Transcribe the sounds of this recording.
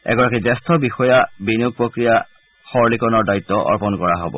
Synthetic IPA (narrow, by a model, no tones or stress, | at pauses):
ɛ̰ɡɔɹakidɛstʰɔbixɔjabinuɡ̚pɹokɹija | xɔɹlikɔnɔɹdait̪ːɔʔɔ̰ɹpɔnkɔɹaɦɔbɔ̰